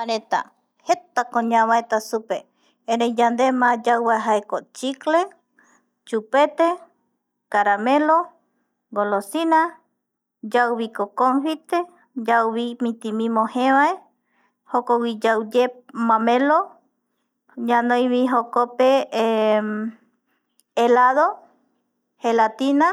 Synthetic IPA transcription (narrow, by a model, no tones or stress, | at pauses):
aɾẽt̪a̰ | het̪akõɲãβaet̪asupe | eɾejd͡ʒand̪emãd͡ʒawβaeɦaekot͡ʃikle | t͡ʃupet̪e | kaɾamẽlo | ɡolosina | d͡ʒawβikokonɸit̪e | d͡ʒawβimĩt̪imĩmõhẽβae | hokowid͡ʒawd͡ʒemãmẽlo | ɲãnõjβiɦokope | elaðo | helat̪ina